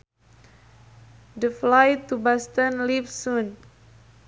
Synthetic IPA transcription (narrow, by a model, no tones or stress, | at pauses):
dəflajt̪ubast̪ənlivsun